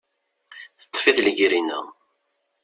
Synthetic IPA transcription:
θə̥t̪ˤːfiθləɡɾinə̰

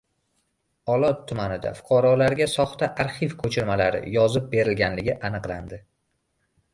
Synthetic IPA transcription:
ɒlˠɒt̪ʰːʊmanɪd̪a̰fʊ̥qʰɒɾɒlaɾɡʲasɒχt̪aʔaɾχivkʰɵt͡ʃʰɪɾmalaɾɪ̰jɒzɪp̚be̞ɾɪlɡʲanlɪɡʲɪʔanɨqlˠand̪ɪ

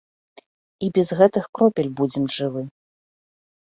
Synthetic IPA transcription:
ibʲɛzɣɛt̪ɨxkɾɔpʲɛlʲbud͡zʲɛmʐɨvɨ

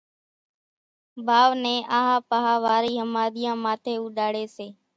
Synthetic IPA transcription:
baːʋnẽːʔaːɦãːpəɦaːʋaːɾiːɦəmaːd̪ɪjãːmaːt̪ʰeːuːɗaːɽeːseː

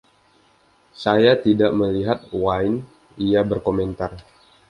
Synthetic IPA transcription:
sajat̪idaʔməliɦat̪̚waɪn | iabərkoment̪ar

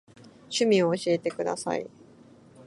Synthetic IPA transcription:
ɕɨmʲĩoːɕie̞t̪e̞kɯ̟d̪a̰sa̰ḭ

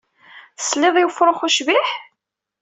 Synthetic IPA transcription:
slːɪðˤjfɾˤoχuʃviħ

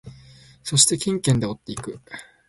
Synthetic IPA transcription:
so̞ɕi̥t̪e̞kʲĩŋkẽnd̪e̞o̞t̪ːe̞ikɯ̟

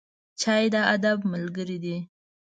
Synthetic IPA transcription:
t͡ʃɑjd̪əad̪abməlɡəɾid̪i

